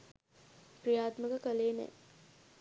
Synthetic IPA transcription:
prijaːt̪məɡəkəleːnɛ̰

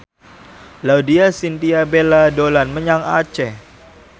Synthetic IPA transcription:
laudiasint̪iabeladolanməɲaŋa̰t͡ʃɛ

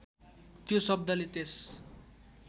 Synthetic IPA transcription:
t̪josʌb̚d̪ʌlet̪es

